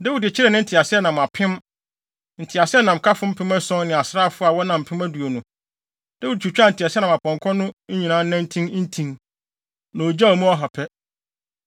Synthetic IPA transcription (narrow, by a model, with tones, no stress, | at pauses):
da˦wi˨dɪ˨t͡ɕʰɪ˦ɾɛ˨nɪ̃˦n̩˦tʰɪ˨a˨sɪ˦ɛ˦nã˨ma˨pʰɪ̃˦m | n̩˨tʰɪ˨a˨sɪ˦ɛ˦nã˨m̩˨kʰa˦fʊ̃˦m̩˦pʰɪ̃˦mæ˦sɔ̃˦n˦nɪ̃˨a˨sɾaː˦˨fʊ˦a˨wɔ˦nã˨m̩˨pʰɪ̃˦mæ˦du˨o˨nʊ̃˨ | d̥a˦wi˦d̚t͡ɕʰu˨t͡ɕᶣa˦n̩˨tʰi˨a˨sɪ˦ɛ˦nã˨a˨pʰɔ̃˨ŋkʰɔ̃˦nʊ̃˦ɲĩ˨nãː˦n˦nã˦n̩˦tʰĩ˦n˦n̩˦tʰĩ˨n | nã˨o˨d͡ʑa˦o˨mũ˦ɔ˦ɦɔ˨pʰɛ˦